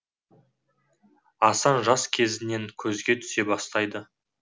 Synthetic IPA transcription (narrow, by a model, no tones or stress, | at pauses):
ɑsɑnʒɑskʲʰe̞zɪne̞ŋkʲʰɵzɡʲe̞t̪ʰʏ̥se̞bɑst̪ɑjd̪ə